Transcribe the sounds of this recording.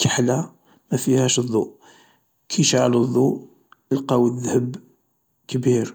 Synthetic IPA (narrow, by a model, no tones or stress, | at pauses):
kəħlæ | mæfihæʃðˤːuʔ | kʰiʃʕaləðˤːuʔ | əlqɑwəðhəb | kbiɾ